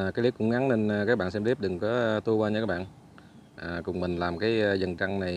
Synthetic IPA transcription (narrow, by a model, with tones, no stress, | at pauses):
kaː˨˦jli˨˦˥kʊ̰˧˥ŋ͡mŋa˨˦ne˧nː˨˩kaː˦˥k̚ɓa̰ː˧˨nsɛ˧mli˦˥p̚ɗɨ˨˩ŋkɔ˨˦˧t̪u˧əkwaː˧ɲə˧aː˦˥ɓa̰ː˧˨n | ʔaː˨˩kʊ˨˩ŋ͡mmï˨˩ŋ̟laː˨˩mkaː˨˦jjzə˨˩nt͡ɕa˧ŋna˨˩j